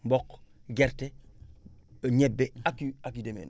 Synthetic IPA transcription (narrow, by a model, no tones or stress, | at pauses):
mbokɡeɾte | aɲebːeakiakidemḛn